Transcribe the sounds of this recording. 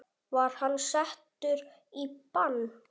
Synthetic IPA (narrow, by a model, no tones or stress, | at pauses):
vaɾ̥hanːsɛht̪ʏɾ | ipanː